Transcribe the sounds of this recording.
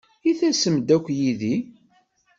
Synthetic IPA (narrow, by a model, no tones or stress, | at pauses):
iθæsəmd̪ækʷːjiði